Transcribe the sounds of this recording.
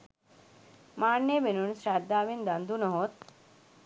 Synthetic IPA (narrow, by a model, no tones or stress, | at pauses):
maːɳːemenunsɾad̪ːaːʋind̪ɐnd̪unəɦot̪̚